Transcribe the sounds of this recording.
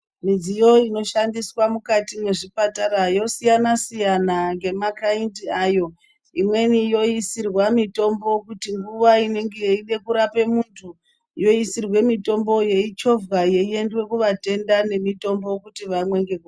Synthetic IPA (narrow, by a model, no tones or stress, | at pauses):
mid͡zijo̞ino̞ʃandiswamukatimwe̞ʐipataɾajo̞sijanasijanaŋɡe̞makaintiajo̞ | imwe̞nijo̞isirwamito̞mbo̞kutiŋɡuʋaine̞ŋɡejiɗe̞kuɾape̞muntʰu | jo̞isirwe̞mito̞mbo̞je̞it͡ʃo̞vɡaje̞ie̞ndwe̞kuʋate̞ndane̞mito̞mbo̞kutiʋamwe̞ŋɡe̞ko